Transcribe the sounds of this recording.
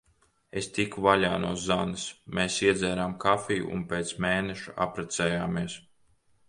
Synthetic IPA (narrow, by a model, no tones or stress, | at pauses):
est̪ikvaʎʲaːnuɔzːanɨsmeːsiɛd̪zɛːɾaːmkafʲiːjṵʔṵnpeːt̪smeːneʃua̰pɾɛt̪sɛːjaːmiɛs